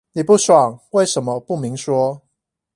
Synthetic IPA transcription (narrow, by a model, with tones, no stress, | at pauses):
ni˨˩pu˥˩swɑ˨˩ŋwe˥˩ɪʂə˧˥nmə˧pu˥˩mi˨˥ŋʂwɔ˥